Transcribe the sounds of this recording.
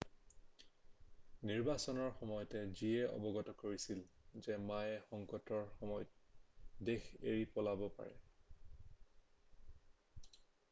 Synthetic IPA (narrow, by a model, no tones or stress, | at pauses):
niɹbasɔnɔɹxɔmɔjɔtɛziɛɔ̰bɔɡɔtɔkoɹisilzɛmajɛxɔŋkɔtɔɹxɔmɔjɔt̚dexḛɹipɔlabɔpa̰ɹɛ̰